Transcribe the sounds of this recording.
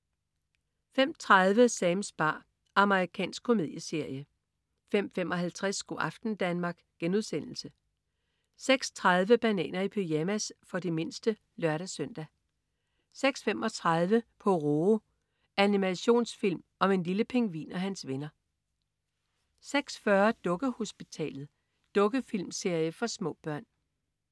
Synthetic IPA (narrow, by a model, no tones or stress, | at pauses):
fem̰t͡sʰʁað̞ˠʋəsɛmsb̥ɑ̰̈ː | ɑ̈məʁikʰɛ̰ːnsɡ̥̚kʰo̝me̝ð̞̰ˠjəse̝ɐ̰jə | fem̰femɒ̽ɦælt͡sʰʁɛsːɡ̥o̝ʔɑ̈fd̥n̩d̥ænmɑ̈ːɡ̥ɡ̥enuðˠsen̰l̩sə | seɡ̥st͡sʰʁɑð̞ˠʋəb̥ænɛ̰ːnɐipʰyjæmæsfɒ̽d̥e̝me̝nsd̥ə | lɶɐɾæsœn̰d̥æ | seɡ̥sfem̰ɒ̽t͡sʰʁɑð̞ˠʋəpʰɒ̽ʁo | ænimæɕo̝̰ːnsfil̰mɒ̽me̝nliləpʰe̝ŋʋḭːnɒɦænsʋe̝nɐ | seɡ̥sfɶɐd̥ɔ̽ɡ̥əho̝sb̥it͡sʰɛ̰ːlð̩ˠ | d̥ɔ̽ɡ̥əfilmse̝ɐ̰jəfɒ̽smɔ̰̽ːb̥ɶɐ̰n